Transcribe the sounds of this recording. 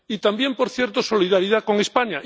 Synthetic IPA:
it̪ambje̞mpo̞ɾθje̞ɾt̪oso̞liðaɾiðako̞ŋespaɲaʔ

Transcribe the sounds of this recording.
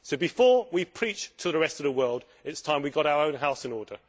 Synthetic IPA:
soʊbɪfɔːwipʰɹ̥iˑt͡ʃtʰəðəɹɛstəvðəwɜːlˠd | ɪtstʰãɪ̃mwiɡɒɾaʊəɹə̃ʊ̃nɦaʊsɪ̃nɔːdə

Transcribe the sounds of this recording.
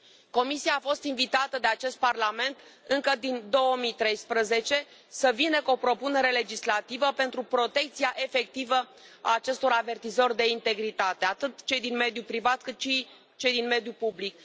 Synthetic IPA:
ko̞misiaːfo̞st̪invit̪at̪əd̪e̞at͡ʃe̞st̪̚parlame̞nt̪ɨŋkəd̪ind̪o̞wəmit̪ɾe̞jspɾəze̞t͡ʃe̞ | səvinəkuopɾo̞pune̞ɾe̞le̞d͡ʒislat̪ivəpe̞nt̪ɾupɾo̞t̪e̞k̚t̪siaʔe̞fe̞k̚t̪ivə | a̰ːt͡ʃe̞st̪o̞ɾave̞rt̪izo̞rʲd̪e̞int̪e̞ɡɾit̪at̪e̞at̪ɨt̪t͡ʃe̞jd̪inme̞d̪jupɾivat̪kɨt̪ʃi | t͡ʃe̞jd̪inme̞d̪jupublik̚

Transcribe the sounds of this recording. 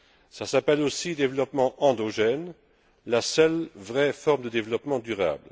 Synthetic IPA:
sasapɛlosid̪evlɔpmɑ̃ʔɑ̃d̪oʒɛn | lasœlvʁɛfɔʁmd̪əd̪evlɔpmɑ̃d̪yʁa̰ːbl

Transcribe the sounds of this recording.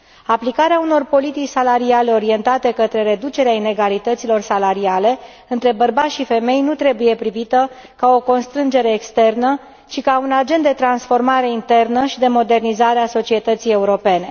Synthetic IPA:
aplikaɾeauno̞rpo̞lit̪it͡ʃʲsalaɾiale̞o̞ɾie̞nt̪at̪e̞kət̪ɾe̞ɾe̞d̪ut͡ʃe̞ɾeaine̞ɡalit̪ət̪silo̞rsalaɾiale̞ | ɨnt̪ɾe̞bərbat̪ʲʃife̞me̞jnut̪ɾe̞buje̞pɾivit̪ə | kao̞ko̞nst̪ɾɨnd͡ʒe̞ɾe̞ːkst̪e̞rnə | t͡ʃikaunad͡ʒe̞nt̪d̪et̪ɾansfo̞rmaɾe̞int̪e̞rnəʃid̪e̞mo̞d̪e̞rnizaɾeaso̞t͡ʃie̞t̪ət̪sije̞uɾo̞pe̞ne̞

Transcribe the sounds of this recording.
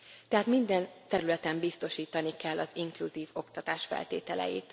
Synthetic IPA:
t̪ɛɦaːt̪mind̪ɛnt̪ɛɾylɛt̪ɛmbist̪o̞ʃiːt̪ɒnikɛlːʔɒziŋkluziːvo̞kt̪ɒt̪aːʃfɛ̰lt̪ḛːt̪ɛlɛ̰jḭːt̪

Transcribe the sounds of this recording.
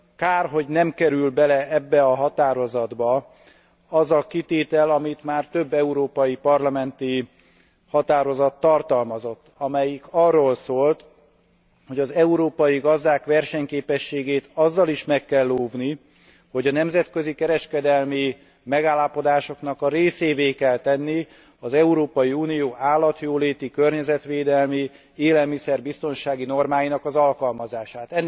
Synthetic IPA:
kaːrɦo̞ɟnɛmkɛɾylbɛlɛɛbːɛɒɦɒt̪aːɾo̞zɒd̪bɒ | ɒzɒkit̪eːt̪ɛlɒmit̪maːrt̪øbːɛuɾoːpɒjipɒrlɒmɛnt̪i | hɒt̪aːɾo̞zɒt̪ːɒrt̪ɒlmɒzo̞t̪ːɒmɛjikɒrːoːlsoːlt̪ | ho̞ɟɒzɛuɾoːpɒjiɡɒzd̪aːkʋɛrʃɛɲkeːpɛʃːeːɡeːt̪ɒzːɒliʃmɛkːɛlːoːvni | ho̞ɟɒnɛmzɛt̪køzikɛɾɛʃkɛd̪ɛlmi | mɛɡaːlːapo̞d̪aːʃo̞kn̪ɒkɒɾeːseːveːkɛlt̪ɛnːi | ɒzɛuɾoːpɒjiuːnijoːʔaːlːɒt̪joːleːt̪ikørɲɛzɛt̪ʋeːd̪ɛlmi | eːlɛlmisɛrbist̪o̞nʃaːɡino̞rmaːjinɒkɒzɒlkɒlmɒzaːʃaːt̪ɛnː

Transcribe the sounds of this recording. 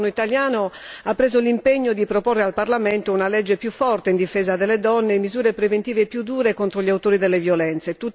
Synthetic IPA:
noit̪aljaːno | apːɾeːzolimpeɲːod̪ipɾoporːealparlamɛnt̪ounalɛd͡ʒːepjufːɔrt̪eind̪ifɛːzad̪elːed̪ɔnːemːizuːɾepɾevent̪iːvepjud̪ːuːɾekont̪ɾoʎiawt̪oːɾid̪ɛlːevjolɛnt̪set̪u

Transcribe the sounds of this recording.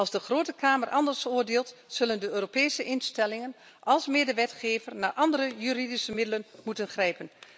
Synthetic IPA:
ɑlˠzdəχroːtəkʰaːmərʔɑndərsʊːəɹdeːlˠtsɵləndəøːropɛːsəʔɪnstɛlɪŋən | ɑlˠsmeːdəʋɛtχeːvərnaːɹʔɑndərəjyɾidisəmɪdələnmutənχrɛjpən

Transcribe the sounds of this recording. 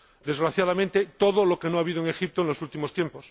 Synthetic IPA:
d̪e̞zɣɾaθjaðamẽnt̪et̪o̞ðolo̞kenoaβiðoeŋe̞xip̚t̪oenlo̞sult̪imo̞st̪jempo̞s

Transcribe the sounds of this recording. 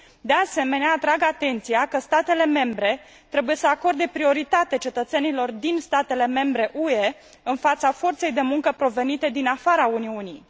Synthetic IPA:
d̪e̞ase̞me̞neaːt̪ɾaɡat̪e̞nt̪sijakəst̪at̪e̞le̞me̞mbɾe̞ | t̪ɾe̞buje̞səako̞rd̪e̞pɾio̞ɾit̪at̪e̞t͡ʃe̞t̪ət̪se̞nilo̞rd̪inst̪at̪e̞le̞me̞mbɾe̞ʔue̞ | ɨnfat̪safo̞rt̪se̞jd̪e̞muŋkəpɾo̞ve̞nit̪e̞d̪inafaɾauniunij

